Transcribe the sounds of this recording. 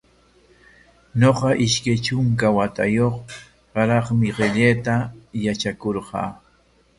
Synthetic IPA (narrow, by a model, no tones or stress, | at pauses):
ɲoqɑʔɪʃkajt͡ʃʊŋk̬awat̪a̰joχ | ɢɑɾɑχmɪɢeʎeːt̪ajat͡ʃakoɾqɑ̰ː